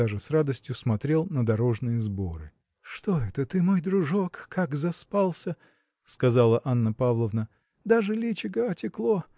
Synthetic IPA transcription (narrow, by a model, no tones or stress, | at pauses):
aʐɨsrad̪əsʲtʲjʊsmɐt̪ɾʲe̞lˠnəd̪ɐɾo̞ʐnɨjəzbo̞ɾɨ̰ | ʂt̪o̞ɛt̪ət̪ɨmo̞jd̪ɾʊʐokʰːakzɐspalˠsʲə | skɐzalˠəʔanːəpavlˠəvnə | d̪aʐɨlʲit͡ɕɪɡəɐtʲɪklˠo